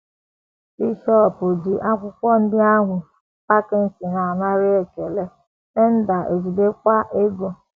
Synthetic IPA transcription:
bi˦ʃɔ˦˨pʊ˨d͡ʒi˨ʔa˦kʷʊ˦kʷɔ˦n̩˦dɪ˦a˦ŋʷʊ˨ | pa˦ke˦n̩˨˦si˨na˨a˨na˦ɾɪ˦e˨ke˨le˦ | ne˦n̩˦da˨ʔe˨zi˨be˦kʷa˦ʔe˦ɡo˨

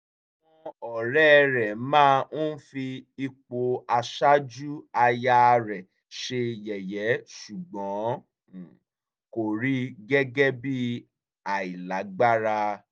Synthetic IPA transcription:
a˨ww̃ɔ̃˧ɔ˨ɾɛ˦˧ɾɛ˨mãː˦˧n̩˦fi˧i˧k͡po˧a˧ʃa˦d͡ʒu˦a˧ja˧ɾɛ˨ | ʃe˧jɛ˨jɛ˨˦ʃu˨ɡ͡bɔ̃˨˦˨ | ko˨ɾi˦ɡɛ˦ɡɛ˦bi˦ | a˨i˨la˨˦ɡ͡ba˦ɾa˧

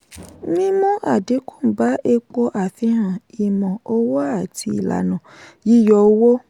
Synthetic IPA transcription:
mĩ˦mũ˦ʔa˨de˨˦kũ̥˦˨ba˨˦ʔe˧k͡po˧ʔa˨fĩ˧hã˨i˨mɔ̃˨o˧wo˦a˦˨tʰi˧ḭ˨la̰˨nã˨ji˦jɔ˧˦wo˦

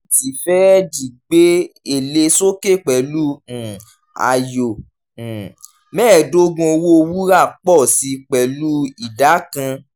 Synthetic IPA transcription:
ti˨fɛ˦d͡ʒi˨ɡ͡be˦e˦˨le˧so˦ke˦˨k͡pɛ˨lũ˦˨ | a̰˨jõ˨ | mɛː˦˨do˦ɡũ˧˦o˧wo˦o˧wu˦ɾa˦˨k͡pɔ˦˨si˧˦k͡pɛ˨lu˦i˨da˨˦kã˧

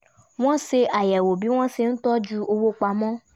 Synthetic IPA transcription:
w̃ɔ̃˦se˧a˨jɛ˨wo˨bi˨˦w̃ɔ̃˦se˧n̩˦tɔ˦d͡ʒu˦o˧wo˦k͡pa˧mɔ̃˦

